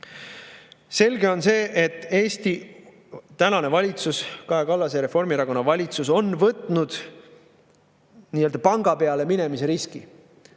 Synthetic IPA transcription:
se̞lʲɡe̞o̞nse̞ːʔet̪ːˑe̞ːst̪i | t̪ːænɑne̞vɑlʲit̪suskɑɦekɑlːɑseɾe̞fo̞rmiɾɑko̞nːɑvɑlʲit̪suso̞nvɤt̪ˑnud̪̥ | niːø̞ld̪̥ɑpɑŋɡ̥ɑpe̞ɑle̞mine̞mise̞ɾiski

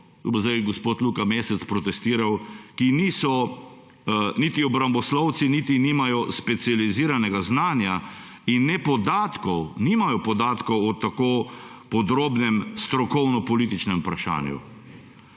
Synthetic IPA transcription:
ubɔzd̪ajɡɔspoːt̪luːkameːsɛt̪spɾɔt̪ɛst̪iːɾawkiniːsɔ | nit̪iɔbɾambɔslɔw̪sinit̪iniːmajɔspɛt̪sializiːɾanɛɡaznaːnja | inːɛpɔd̪aːt̪kɔwniːmajɔpɔd̪aːt̪kɔwɔt̪ːakoː | pɔd̪ɾoːbnɛmst̪ɾɔkɔwnɔpɔlit̪it͡ʃnɛmupɾaʃa̰ːnjṵ

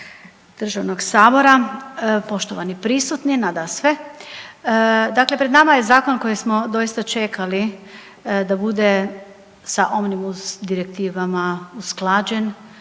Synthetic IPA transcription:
d̪̥r̩ʒaʋnoɡsaːbo̞ɾapo̞ʃt̪oʋanipɾisut̪ninad̪asʋe | d̪akle̞pɾed̪namaje̞zaːko̞nko̞jismo̞d̪o̞jist̪at͡ʃe̞kʰali | d̪abud̪e̞ | saʔo̞mnimusd̪iɾek̚t̪iːʋamausklˠaːd͡ʒen

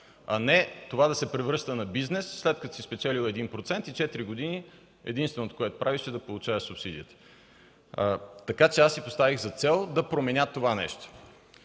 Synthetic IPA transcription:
ɐnɛt̪ovad̪ɐsɛpɾɛvɾɤʃt̪ənɐbiznɛsːlɛt̪̚kə̥t̪o̥sispɛt͡ʃɛlilˠɛd̪inpɾot̪sɛnt̪it͡ʃɛt̪iɾiɡod̪ini | ɛ̰d̪inst̪vɛnot̪o̥koɛt̪o̥pɾaviʃɛd̪ɐpolˠut͡ʃaəsupsid̪iət̪ə̥ | t̪ɐkat͡ʃɛasːipost̪aviɣzɐt̪sɛlˠd̪ɐpɾomɛnʲjat̪ːovanɛ̰ʃt̪o̥

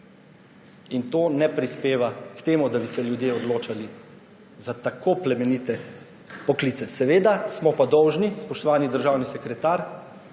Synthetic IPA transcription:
int̪oːnɛpɾispeːʋakt̪eːmud̪abisɛljud̪jeɔd̪loːt͡ʃali | zat̪akʰoplɛmɛnit̪ɛ | pɔklit̪sɛsɛʋeːd̪asmɔpad̪ɔwʒnispɔʃt̪ɔʋaːnid̪əɾʒaːwnisɛkɾɛt̪aːɾ

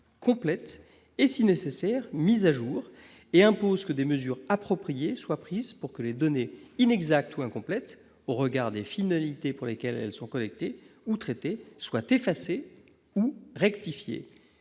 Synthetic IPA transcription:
kʰɔ̃plɛt̪ | esinesesɛʁmizaʒuːʁ | eɛ̃pozkəd̪eməzyʁapχɔpχijeswapχizpuʁkəled̪ɔneinɛɡzak̚t̪uɛ̃kɔ̃plɛt̪ | oʁəɡaʁd̪efinalit̪epuʁlekʲɛlɛ̰lsɔ̃kɔlɛk̚t̪eut̪χet̪eswat̪efase | uʁɛkt̪ifjḛ

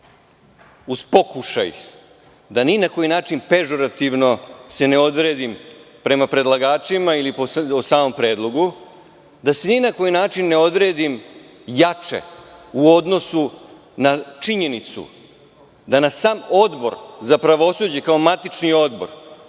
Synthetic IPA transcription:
uzpo̞kuʃa̰j | d̪aninako̞jinaːt͡ʃinpe̞ʒo̞ɾat̪iʋno̞se̞ne̞o̞d̪ɾed̪impɾe̞mapɾe̞d̪lˠaɡaːt͡ʃimailipoosaːmo̞mpɾeːd̪lˠo̞ɡu | d̪aseninako̞jinaːt͡ʃinːeo̞d̪ɾeːd̪im | jat͡ʃḛuo̞d̪no̞su | nat͡ʂiɲe̞nit̪sṵ | d̪anassaːmo̞d̪bo̞̰ɾzapɾaʋo̞sud͡ʑe̞kao̞mat̪it͡ʃnio̞d̪bo̞̰ɾ

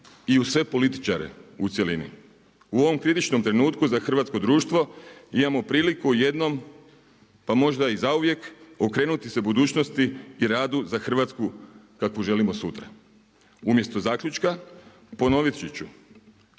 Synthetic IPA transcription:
iusʋe̞po̞lit̪i̥t͡ʃaɾḛut̪sjelinḭ | uo̞ʋo̞mkɾit̪it͡ʃno̞mt̪ɾe̞nuːt̪kuzaxr̩ʋat̪sko̞d̪ɾuːʃt̪ʋo̞imamo̞pɾiːlikuje̞d̪no̞m | pamo̞ʒd̪aizauʋje̞ko̞kɾe̞ːnut̪ise̞bud̪uːt͡ɕnost̪iːɾaːd̪uzaxr̩ʋat̪skukakʋoʒe̞limosut̪ɾa̰ | umje̞st̪o̞zaːkʎʲut͡ʃka | po̞no̞ʋit̪t͡ʃit͡ɕu

